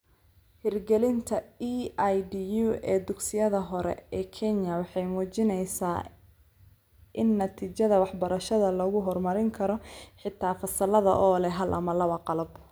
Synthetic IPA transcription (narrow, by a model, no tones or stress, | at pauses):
hɪrɡɛlɪnt̪ʰɐiajdijuːɛːd̪ʊɡsɪjɐðɐɦɔɾɛ̰ɛːkʰɛnjɐwɑħɑjmuːt͡ʃɪnɛjsaː | ʔɪnːɐt̪ʰiːt͡ʃɐðɐwɑħbɐɾɐʃɐðɐlɔɣʊɦɔrmɐɾɪŋkʰɐɾɔħɪt̪ʰːaːfɐsɐlɐðɐ̰ʔɔːlɛɦɐlʔɐ̰mɐlɐβɐqɑlɐb